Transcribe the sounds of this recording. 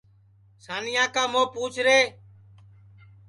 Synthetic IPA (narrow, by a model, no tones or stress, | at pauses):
saːniːãːkãːmoːpuːt͡ʃʰɾeː